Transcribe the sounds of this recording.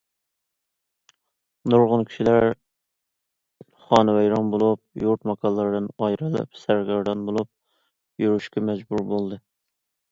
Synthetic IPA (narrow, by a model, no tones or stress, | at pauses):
noɾʁʊnkʲʰi̥ʃilæɾ | χɑːnɨwɛjɾɑnbolˠup̚juɾt̪mɑkʰɑlˠlːˠɑɾd̪ɨnɑjɾɨlɪ̰p̚sæɾɡʲɑɾd̪ɑnbolˠup̚ | juɾuʃkʲɛmɛd͡ʒbuɾbolˠd̪ɨ